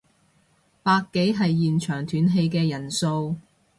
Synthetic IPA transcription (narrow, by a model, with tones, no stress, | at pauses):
paː˧kːe˨˥jɦɐ˨jːiː˨nt͡ʃʰœː˨˩ŋt̪ʰyː˨˥nɦe˧jkɛː˧jɐ˨˩nso˧w